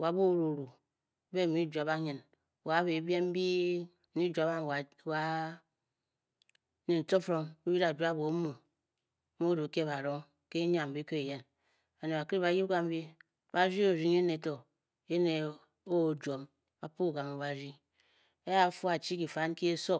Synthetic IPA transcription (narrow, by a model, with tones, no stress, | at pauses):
wa˨˦bo˦˨ɾu˨ɾu˨˦ | be˦˨˦i˦d͡ʒu˨a˨ba˦ɲɨ˨n˨ | wa˨˦be˨˦be˦m˦bi˦ | i˦d͡ʒu˨a˨ba˦˨ | wa˦ | ne˨n̩˨to˦fɾo˦nu˦ji˦ɾa˨d͡ʒʷa˦˨bo˨˦mu˨˦ | mo˦ɾo˨˦ke˦ba˨ɾo˦ŋ | ke˦ɲa˨m˨bi˦ke˦e˨je˦n | a˨ne˨a˨ki˦ɾi˦ba˨ji˦ɡa˦m˦bi˦ | ba˦ɾi˦o˨ɾi˦ŋe˦ne˨˦to˨ | e˦ne˨ | o˦˨d͡ʒo˨m | ba˨pu˦˨ɡa˨mo˨ba˨ɾi˦ | e˦ja˦fu˦a˨t͡ʃi˦ki˨fa˨˦n˦ki˦e˦so˦